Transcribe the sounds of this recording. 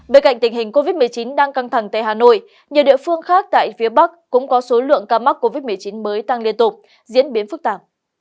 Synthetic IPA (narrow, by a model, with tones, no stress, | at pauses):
ɓeː˧nka̰˧˨jŋ̟t̪ï˨˩ŋ̟ɦï˨˩ŋ̟ko˧vi˦˥t̚mɨ˨˩əjt͡ɕi˨˦nɗaː˧ŋka˧ŋt̪ʰa˨˩ŋt̪a̰ː˧˨jhaː˨˩no̰˧˨j | ɲə˨˩ɗḭ˧˨əfɨ˧əŋxaː˦˥k̚t̪a̰ː˧˨jfi˨˦əɓa˦˥k̚kʊ̰˧˥ŋ͡mkɔ˨˦so˨˦lɨ̰˧˨əŋkaː˧ma˦˥t̚ko˧vi˦˥t̚mɨ˨˩əjt͡ɕi˨˦nməː˨˦jt̪a˧ŋli˧ənt̪ʊ˨˩p̚ | zḭ˧˥ənɓi˨˦ənfɨ˦˥k̚t̪aː˧˩p̚